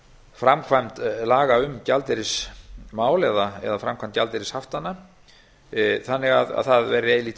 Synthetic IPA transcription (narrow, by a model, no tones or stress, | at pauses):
fɾamkʰvajmt̪laːɣaʏmcalt̪ɪɾɪsmaːwlɛðaɛ̰ðafɾamkʰajm̥t̪calt̪ɪɾɪshaft̪anːa | θanːɪɣaða̰ðθaðvɛɾːɪeːjliːt̪